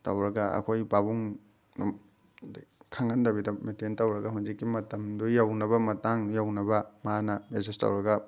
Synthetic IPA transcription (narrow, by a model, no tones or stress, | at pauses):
tɐwɾɐɡɐɐ̰kʰojbabuŋ | n | kʰaŋɡɐndɐbidɐmetentɐwɾɐɡɐɦund͡ʒikːimɐtɐmdujawnɐβɐmɐtaŋjawnɐbɐmanɐmesestɐ̰wɾɐɡɐ